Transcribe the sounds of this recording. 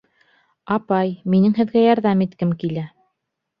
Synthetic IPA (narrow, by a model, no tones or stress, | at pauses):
ɑpɑjminɘŋɦɘ̆ðɡæjɑɾðɑmit̪kɘmkilæ